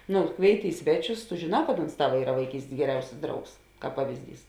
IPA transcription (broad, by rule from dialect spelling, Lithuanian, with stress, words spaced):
ˈnʊ ˈkʋʲeːɪˌtʲɪ ˈɪ sʲʋʲɛˌt͡ʃʲʊs tʊ ʒʲeːˈnɑː kɐt oːns ˈtɑːʋɐ ˈiːrɐ ʋɐɪˈkʲiːsʲtʲeːs ɡʲɛˈrʲɛʊsʲɪs ˈdrɐʊks ˈkɑːp ˈpɑːʋʲɪzʲˌdʲiːs